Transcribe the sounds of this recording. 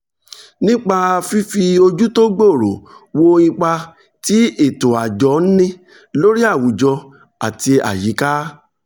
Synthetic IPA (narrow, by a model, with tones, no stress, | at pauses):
nĩ˦k͡pa˧a˧fi˦fi˧o˧d͡ʒu˦to˦ɡ͡bo˦˨ɾo˨wo˧ĩ˧k͡pa˧ | ti˨˦e˦˨to˨a˨d͡ʒɔ˨˦n̩˦nĩ˦ | lo˦ɾi˦a˦˨wu˨d͡ʒɔ˧ | a˨ti˧a̰˨ji˨˦ka˦